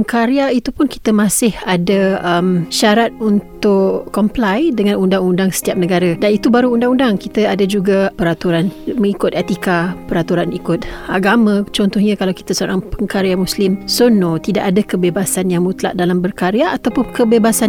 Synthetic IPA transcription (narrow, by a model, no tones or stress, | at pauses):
əŋkaɾiait̪upʊnki̥t̪əmãsɪhadaəmʃaɾat̪̚unt̪ʊʔkːɔmplajdəŋãnundaŋundaŋsə̥t̪iap̚nəɡaɾadanit̪ubaɾuːndaŋundaŋkit̪aadad͡ʒuɡapəɾat̪uɾanməŋikʊt̪ɛt̪ikapəɾat̪uɾanikʊt̪̚aɡamãt͡ʃɔnt̪ɔhɲãkalawki̥t̪asoɾaŋpəŋkaɾjamuslɪmsonot̪ida̰ʔadakəbebasanjaŋmut̪la̰ʔdalambərkaɾjaʔːt̪awpʊnkəbebasan